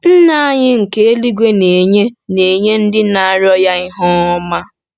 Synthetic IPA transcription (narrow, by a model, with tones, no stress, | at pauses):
n̩˦na˨a˦ɲɪ˦ŋ̩˨ke˦e˦li˦ɡʷe˦ne˨ɲe˦ne˨ɲe˦n̩˦dɪ˦na˨ɾjɔ˦ja˦i˦ɦɔ˦ɔ˦ma˦